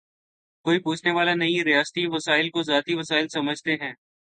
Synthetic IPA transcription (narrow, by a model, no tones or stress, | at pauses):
koːipuːt͡ʃʰneʋaːlanɐiɾɪjaːst̪iʋɐsaːɪlkozaːt̪iʋɐsaːɪlsɐməd͡ʒʱt̪eɦɛ̃ː